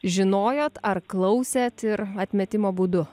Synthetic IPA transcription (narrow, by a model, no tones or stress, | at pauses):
ʒʲɪnoːjoːt̪ɐrklˠɐʊsʲeːt̪ɪɾɐt̪ʲmʲɛt̪ʲɪmoːbuːd̪ʊ